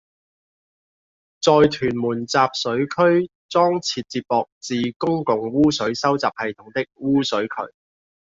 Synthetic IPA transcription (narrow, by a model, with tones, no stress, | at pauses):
t͡sɔː˨jt̪ʰyː˨˩nmuː˨˩nt͡saː˨p̚sɵ˨˥ɥkʰɵ˥ɥ | t͡sɔː˥ŋt͡sʰiː˧t̚t͡siː˧p̚pɔː˨k̚t͡siː˨kʊ˥ŋkʊ˨ŋwuː˥sɵ˨˥ɥsɐ˥wt͡saː˨p̚hɐ˨jt̪ʰʊ˨˥ŋt̪ɪ˥k̚wuː˥sɵ˨˥ɥkʰɵ̰˨˩ɥ